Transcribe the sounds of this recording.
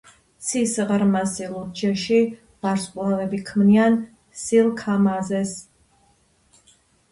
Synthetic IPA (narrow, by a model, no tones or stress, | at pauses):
t̪sʰisʁɾmasilˠud͡ʒɛʃi | b̥aɾskʼlˠavɛbikʰmnian | silˠkʰamazɛs